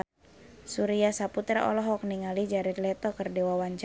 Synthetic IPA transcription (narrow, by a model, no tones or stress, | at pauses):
suɾiasaput̪ɾaʔɔ̰lɔɦɔk̚niŋalid͡ʒaɾɛt̪lɛt̪ɔkərdewawaɲt͡ʃ